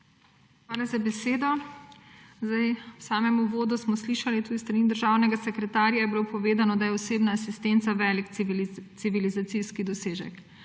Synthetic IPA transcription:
xʋaːlazabɛseːd̪ɔ | zd̪ajwsaːmɛmuʋoːd̪usmɔsliːʃalit̪uːd̪ist̪ɾaniːd̪əɾʒaːwnɛɡasɛkɾɛt̪aːɾjajɛbilopɔʋeːd̪anɔd̪ajɛɔseːbnaːsist̪ent̪saʋɛlikt̪siʋilizat̪siskid̪ɔseːʒɛ̰k

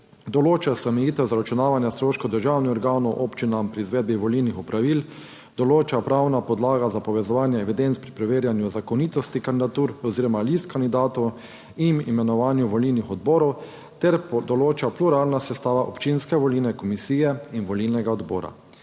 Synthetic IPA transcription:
d̪ɔloːt͡ʃasɛmɛjiːt̪ɛwzaɾat͡ʃunaːʋanjast̪ɾoːʃkɔwd̪əɾʒaːwnixɔɾɡaːnɔwʔoːpt͡ʃinampɾiːzʋeːd̪̚biʋɔlilnixupɾʔaʋiːl | d̪̥ɔloːt͡ʃapɾaːwnapɔd̪laːɡazapɔʋɛzɔʋaːnjɛɛʋid̪ent̪pɾipɾɛʋeːɾjanjuzakɔniːt̪ɔst̪ikand̪id̪at̪uɾɔziːɾɔmalist̪kand̪id̪aːt̪ɔw | inimɛnɔʋaːnjuʋɔlilnixɔd̪bɔːɾɔw | t̪ɛɾd̪ɔloːt͡ʃapluɾaːlnasɛst̪aːʋaʔɔpt͡ʃinskɛʋɔliːlnɛkɔmisiːjɛinʋɔlilnɛɡaɔd̪bɔ̰ːɾa̰

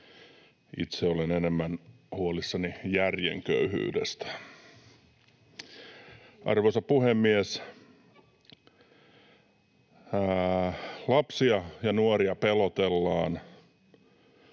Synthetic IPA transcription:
ḭt̪seolenenemːæn | huolisːɑnijærjḛŋkø̰yhy̰ːdḛst̪æ̥ | ʔɑ̰rʋoisɑpuhemːies | lɑpsiɑjɑnuoriɑpelot̪elːɑːn

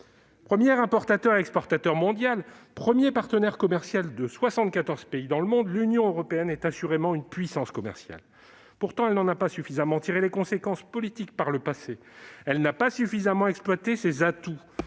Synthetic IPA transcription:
pχəmjɛʁɛ̃pɔʁt̪at̪œʁɛkspɔʁt̪at̪œʁmɔ̃d̪jalpχəmjepaʁt̪ənɛʁkɔmɛʁsjald̪əswasɑ̃t̪̚kat̪ɔʁz̥peid̪ɑ̃ləmɔ̃d̪lynjɔ̃øʁɔpeɛnɛt̪asyʁemɑ̃ynpɥisɑ̃skɔmɛ̰ʁsja̰l | puʁt̪ɑ̃ɛlnɑ̃napasyfizamɑ̃t̪iʁelekɔ̃sekɑ̃spɔlit̪ik̚paʁləpase | ɛlnapasyfizamɑ̃ɛksplwat̪esezat̪u

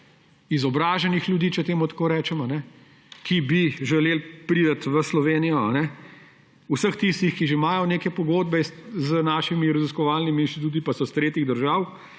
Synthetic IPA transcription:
izɔbɾaːʒɛnixlʲjud̪iːt͡ʃɛt̪eːmut̪ḁkoːɾɛːt͡ʃɛmanɛ | kibiʒɛleːlpɾiːd̪ɐt̪ʋəslɔʋeːnijɔanɛ | usəxt̪ist̪ixkiʒemaːjɔneːkɛpɔɡoːd̪bɛzənaːʃimiɾɐziskɔʋaːlnimiinst̪it̪uːt̪ipasɔst̪ɾeːt̪iɣd̪əɾʒaːw

